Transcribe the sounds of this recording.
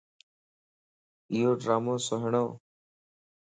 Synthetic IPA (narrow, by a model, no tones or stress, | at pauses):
ijoːɖɾaːmõːsəɦɳoː